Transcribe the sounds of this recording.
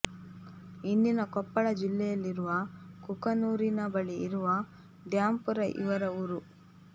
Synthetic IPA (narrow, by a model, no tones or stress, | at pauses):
ind̪inɐkɔpːɐɭɐd͡ʒilːɛjɐlːiɾuʋɐkukɐnuːɾinɐbɐɭiːɾuʋɐ | d̪jaːmpuɾɐʔḭʋɐɾɐuɾu